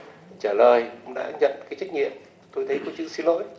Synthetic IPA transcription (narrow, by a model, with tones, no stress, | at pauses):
t͡ɕaː˧˩ləː˨˩jkʊ̰˧˩ŋ͡mɗa̰ː˧˥ɲə̰˧˨nkaː˨˦jt͡ɕa˦˥k̟̚ŋḭ˧˨əm | t̪o˧jt̪ʰjko˨˧˦t͡ɕɨ̰˧˨si˧˦nlo̰˧˥j